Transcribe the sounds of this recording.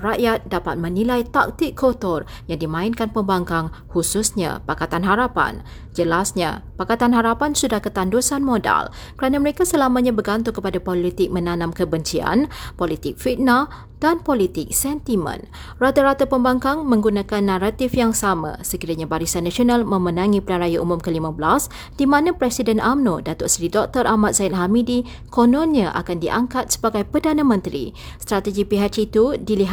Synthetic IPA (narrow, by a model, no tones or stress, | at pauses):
raʔjat̪̚dapa̰t̪̚mə̃nilajt̪a̰k̚t̪ɪkʰːot̪ɔrjaŋdimãinkanpəmbaŋkaŋhususɲã̰pakat̪anɦaɾapa̰n | d͡ʒəlasɲa̰pakat̪anɦaɾapansudahkət̪andusanmoda̰l | kəɾanaməɾekasəlamãɲãbəɡant̪ukəpadapolit̪ɪk̚mə̃nanãmkəbəɲt͡ʃia̰npolit̪ɪk̚fit̪̚na | danpolit̪ɪk̚sɛnt̪imə̰̃n | rat̪aɾat̪apəmbaŋkaŋmə̃ŋɡunãkanːãɾat̪ifjaŋsamã̰səkiɾaɲabaɾisanːãsionalmə̃mənãŋĩpəlaɾajaʔumumkəlimabəlas | d̥imãnãpɾɛsidɛnʔamnodat̪ʊʔsɾidɔk̚t̪ɔrʔamat̪̚z̥aɪt̪̚ɦamidi | konɔ̃nɲaʔa̰kandiʔaŋkat̪̚sə̥baɡajpərdanãmə̃nt̪ɾḭ | st̪ɾat̪əɡipiɦat͡ʃːt̪udiliɦ